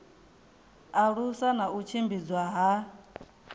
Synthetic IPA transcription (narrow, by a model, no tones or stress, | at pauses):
aɺusanaut͡ʃʰimbid͡zwaɦa